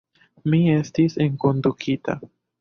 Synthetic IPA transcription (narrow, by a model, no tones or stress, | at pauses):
mie̞stiseŋko̞ndukʰita̰